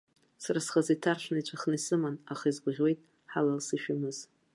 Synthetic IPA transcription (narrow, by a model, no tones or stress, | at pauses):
saɾasχazitʰarʃʷʰnajt͡ʃʷʰaχnisɨmanaχaizɡʷʁʲwe̞jtʼ | ħalalsɨʃᶣamɨz̥